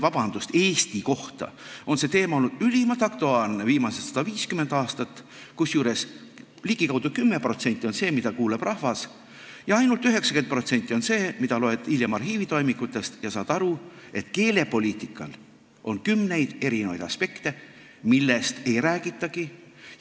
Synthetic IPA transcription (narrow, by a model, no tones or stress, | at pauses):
vɑb̥ɑnd̪̥ust̪eːst̪iko̞ht̪ɑ̰o̞nse̞t̪eːmɑo̞lːud̪̥ylʲimɑt̪ɑkt̪oɑːrneviːmɑsest̪ːsɑd̪̥ɑviːskymend̪ɑːst̪ɑt̪ːˑ | kusjuːɾe̞s | liːɡ̥ikɑwd̪ukymːe̞pro̞t̪se̞nʲt̪ʲːˑio̞nse̞ːmid̪ɑkuːleb̥rʔɑhvɑs | jɑɑjnult̪yɦe̞ksɑke̞nt̪̚pro̞t̪se̞nʲt̪ʲːˑio̞nse̞ːmid̪ɑlo̞e̞d̪̥iljemɑrhɦiːvit̪o̞jmikːˑut̪ːˑe̞st̪jɑsɑːd̪̥ɑɾu | e̞t̪ke̞ːle̞po̞lʲiːt̪ˑikːˑɑ̰l | ʔo̞nkymne̞jd̪̥e̞ɾinevɑjd̪̥ɑ̰spe̞kt̪e̞ | milːe̞st̪e̞jɾæːɡ̥it̪ːˑɑɡi